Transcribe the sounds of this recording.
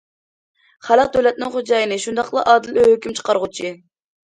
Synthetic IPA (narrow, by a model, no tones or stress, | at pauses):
χælˠəq̚d̪øwlɛt̪̚nɪŋχod͡ʒɑːjɨnɨʃund̪ɑqlˠɑ̰ʔɑːd̪ɨløhøkʲymt͡ʃʰə̥qɑɾʁut͡ʃʰi